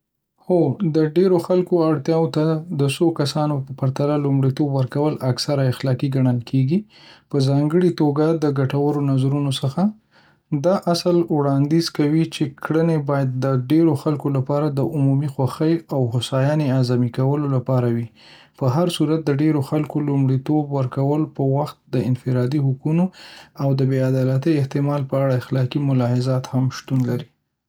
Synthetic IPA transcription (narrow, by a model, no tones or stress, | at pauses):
xod̪əɖeɾoxalkoaɽt̪jɑwot̪ad̪əsokasɑnopəpaɾt̪alalumɽit̪obwəɾkawəlaksaɾaɪxlɑkiɡaɳəlkʰeɡi | pəzɑŋɡəɽit̪oɡad̪əɡaʈawəɾonazaɾunosəxa | d̪ɑʔasəlwɽɑnd̪izkawit͡ʃekɽənebɑjad̪̚ːəɖeɾoxalkolapɑɾad̪əʔʊmumixwaxəjawhʊsɑjɑneazamikawəlolapɑɾawi | pəɦaɾsuɾat̪̚d̪əɖeɾoxalkolumɽit̪obwəɾkawəlopəwaxt̪̚d̪əɪnfɪɾɑd̪ihʊkunoawd̪əbead̪ɑlat̪əɪht̪ɪmɑlpəaɽaɪxlɑkimʊlɑhɪzɑt̪hamʃt̪unlaɾi